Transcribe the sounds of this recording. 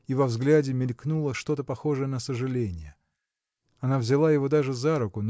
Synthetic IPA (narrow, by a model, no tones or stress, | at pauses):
ivɐvzɡlʲædʲɪmʲɪlʲknulˠəʂt̪o̞t̪əpɐxo̞ʐɨjənəsəʐɨlʲenʲɪjə | ɐnavzʲɪlˠajɪvo̞d̪aʐɨzaɾʊkʊn